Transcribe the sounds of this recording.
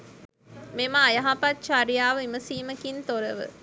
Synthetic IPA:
memɐːjɐɦapatt͡ʃaɾijaːʋəimɐsiːmɐkint̪oɾɐʋɨ̰

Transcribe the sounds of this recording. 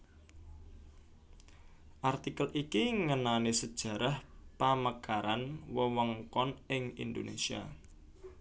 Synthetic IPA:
ʔart̪ikəlʔikiŋənanesəd̥ʒ̥ä̤ɾahpaməkaɾanwəwɔŋkɔnɪŋḭnd̪onḛsia̰

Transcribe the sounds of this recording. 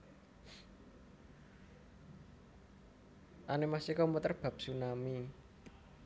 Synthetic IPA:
ʔanemasikɔmut̪ərb̥ä̤p̚sunami

